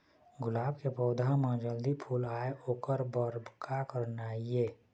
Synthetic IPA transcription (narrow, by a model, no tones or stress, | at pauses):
ɡʊlaːbkepɔːd̪ʱamãd͡ʒəld̪ipʰuːlaːeʔoːkəɾbəɾbkakəɾnaːieː